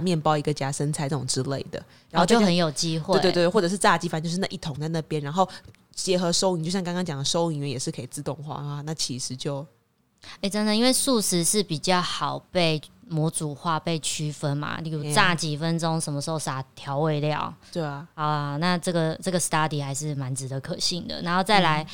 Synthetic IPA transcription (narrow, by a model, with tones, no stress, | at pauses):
mjɛ˥˨npɑ˥˧ʊi˧˥ɡə˨t͡ɕja˥ʂə˦˥nt͡sʰa˧˥ɪʈ͡ʂʈ͡ʂʊ˨˩ŋʈ͡ʂɻ̩˦lḛ˥˩ɪd̪ə̰˩ | ɻa˨˦xo˥˧t͡ɕo˥˨˧ə˧˦njo˨˩ʊt͡ɕi˦˥xwe˥˧˨tt̪ːxwʈ͡ʂɤ˨˩ʂ̬ɻ̩˥˧t͡sa˥˧t͡ɕi˥fa˧˥nt͡ɕjo˥˧ʂɻ̩˥˩na˥˧ʔi˥˩t̪ʰʊ˧˦ŋt͡sa˥˧ɪna˥˩pjɛ˦nɻa˧˦nxo˥˩ʊ | t͡ɕjɛ˧˥xɤ˧˥ʂo˥ʊi˨˩ŋt͡ɕo˥˧ʊɕjɑ˥˨ŋkɑ˥ŋkɑ˥ŋt͡ɕjɑ˨˩d̪ə˩ʂo˥ʊi˧˩ŋ˨wɛ˥˩jɛ˨˩ʂɻ̩˥˩kʰi˨˩t͡sɹ̩˥˧t̪ʊ˥˧ŋxwa̰˥˧˨na˥˩t͡ɕʰi˧˥ʂɻ̩˧˥t͡ɕjo˥˩ʊ | e˥˩ʈ͡ʂə˦nd̪ə˨˧i˥nwe˥˧ɪsu˥˧sɻ̩˧˥ʂɻ̩˥˩pi˨˩t͡ɕjɑ˥˩ʊxɑ˨˩ʊpe˥˩ɪmwɔ˧˥t͡su˨˩xwa˥˧pe˥˩ɪt͡ɕʰy˥fə˦nma̰˨li˥˧u˨˧t͡sa˥˩t͡ɕi˨˩fə˦nʈ͡ʂʊ˥ŋʂə˧˥nmə˧ʂ̩˧˥o˥˩ʊsa˨˩t̪ʰjɑ˧˦ʊwe˥˧ɪljɑ̰˥˨˩ʊt̪e˥˩˨xa˨˩˦na˥˧ʈ͡ʂɤ˥˩ɡə˩ʈ͡ʂɤ˥˩ɡə˩st̪a˥d̪i˨˩xa˧˥ɪʂɻ̩˥˩ma˧˦nt͡sɻ̩˧˥d̪ə˨kʰə˨˩ɕi˥˩nd̪ə̰˩na˧˥nxo˥˧ʊt͡sa˥˩ɪla˧˦ɪ